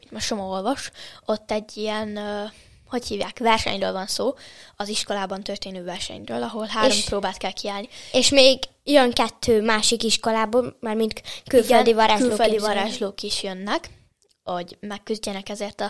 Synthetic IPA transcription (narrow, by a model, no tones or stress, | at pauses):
itmoʃt͡ʃomoolvɒʃot̪ːɛɟːiɛnː | ho̞chiːvja̰ːkʋɛrʃɛ̰ɲrø̰ːlvɒnsoːɒziʃko̞laːbɒnt̪ørt̪eːnøːvɛrʃɛ̰ɲrøːlɒɦo̞lɦaːɾomproːbaːlt̪kɛlkiaːlnieʃmeːɡ | jøŋkɛt̪ʰːøːmaːʃikiʃko̞laːboːlmaːrmint̪kylføld̪ivɒɾaːʒyloːøld̪ivɒɾaːʒloːkiʃjønːɛk | o̞ɟmɛkːyzɟɛnɛkɛzeːrt̪ɒ